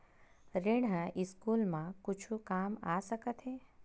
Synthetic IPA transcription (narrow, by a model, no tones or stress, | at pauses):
ɾɪɽɦə̃ʔɪskuːlmãkʊt͡ʃʰukaːmaːsəkət̪ɦeː